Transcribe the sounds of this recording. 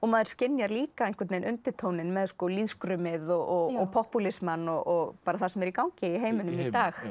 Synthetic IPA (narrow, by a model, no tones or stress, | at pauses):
ɔmaðɪɾ̥scɪnːjaɾliːkaejŋ̥kvɛt̪ejnʔʏnt̪ɪt̪ʰownɪnmɛðskɔliðskɾʏmɪðɔɣɔɣɔɣpʰɔhpulɪsmanːɔɣɔɣpaːɾaθasɛmɛɾikawŋcɪiɦeːjmʏnʏmit̪aːx